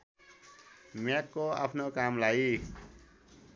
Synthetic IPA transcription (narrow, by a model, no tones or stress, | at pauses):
makːoa̰pʰnokamlai